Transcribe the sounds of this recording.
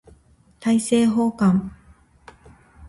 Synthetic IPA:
t̪ʰɐjsɛːɦoːkɐm

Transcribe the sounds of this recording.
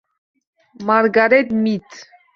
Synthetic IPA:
mɑɾɡɑɾɛd̪mit̪ʰ

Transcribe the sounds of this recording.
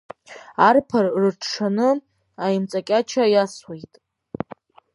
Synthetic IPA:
arpʰarrɨʈ͡ʂʰʂʰanɨ | ajɪmt͡sʼakʲʼat͡ʃʰajaswejtʼ

